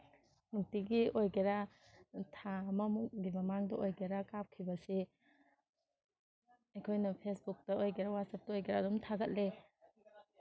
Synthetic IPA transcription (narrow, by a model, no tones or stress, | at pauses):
nuk̚tiɡiojɡeɾa | tʰamɐmuk̚ɡimɐmaŋdɐʔojɡeɾakap̚kʰibɐse | ɐjkʰojnɐpʰesbuk̚tɐojɡeɾawat̚sɐp̚tɐojɡeɾadɔmtʰaɡɐt̚le